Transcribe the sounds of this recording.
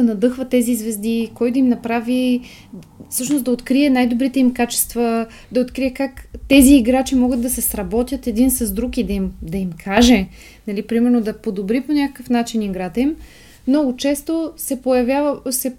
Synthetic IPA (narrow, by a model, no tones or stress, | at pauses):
ɐnɐd̪ɤxvɐt̪ːɛzizvɛzd̪ikɔjt̪ɐimnɐpɾavi | fsɤʃnosd̪ɐot̪kɾiɛnajd̪obɾit̪ɛimkat͡ʃɛ̥st̪vɐ | d̪ɐot̪kɾiɛkakt̪ɛziːɡɾat͡ʃimɔɡəd̪̚d̪ɐsɛsɾɐbɔt̪ʲjət̪ɛd̪insɐzd̪ɾukid̪ɐimd̪ɐimkʰaʒɛ | nɐlipɾimɛɾnod̪ɐpod̪obɾiponʲakəkəfnat͡ʃiniɡɾat̪ɐim | nɔɡʊt͡ʃɛst̪osɛpojɐvʲjavsɛ